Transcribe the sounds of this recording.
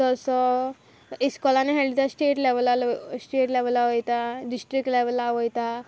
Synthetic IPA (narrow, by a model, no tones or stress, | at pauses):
ɔsɔ | iskɔlaneɦelit̪asʈeʈleʋəlalsʈeʈleʋəlaʋəjt̪aɖisʈɾikʈleʋəlaʋəjt̪a